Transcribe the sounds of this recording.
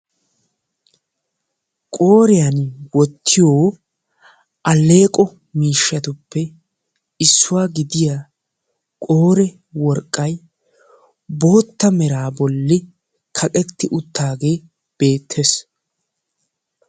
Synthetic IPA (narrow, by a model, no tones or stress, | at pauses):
kʼo̞ːɾɪjanwɔt̪ʰːɪjo̞ː | ʔɐle̞ːkʼɔ | miːʃːɐt̪ʊpːɛ | ɪsːʊwaːɡɪd̪ɪjaː | kʼoːɾɛ | wɔɾkʼːɐj | bo̞ːt̪ːɐmɛɾaːbɔlːɪ | kʰɐkʼɛt̪ːɪʔʊt̪ːaːɡe̞ː | b̥e̞ːt̪ʰːes